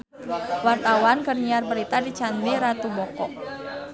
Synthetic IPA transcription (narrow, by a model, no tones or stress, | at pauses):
wart̪awankərɲiarbəɾit̪adit͡ʃandiɾat̪ubɔkɔʔ